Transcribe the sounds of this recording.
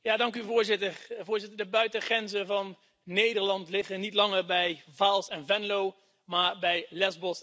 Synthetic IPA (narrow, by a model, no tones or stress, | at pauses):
jaːdɑŋkyvʊːɹzɪtəɹvʊːɹzɪtəɹdəbœɥtəχrɛnzəvɑnː | ejdəɹlɑntlɪχənitlɑŋəɹbɛjvaːlˠsɛnvɛnlow | maːɹbɛjlɛzbɔs